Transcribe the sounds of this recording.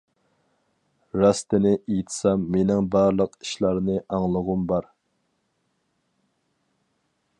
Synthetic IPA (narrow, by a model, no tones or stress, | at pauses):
ɾɑst̪ɪnɪʔejt̪ʰɪ̥sɑmːenɪŋbɑɾlˠəqi̥ʃlˠɑɾnɨʔɑŋlˠəʁʊmbɑɾ